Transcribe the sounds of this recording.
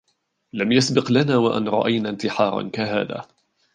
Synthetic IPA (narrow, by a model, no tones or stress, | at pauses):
lamjasbɪqlanaːwaʔa̰nɾˤɑ̰ʔajnaːnt̪ɪħɑːɾˤɑ̰nkaɦa̰ːða̰ː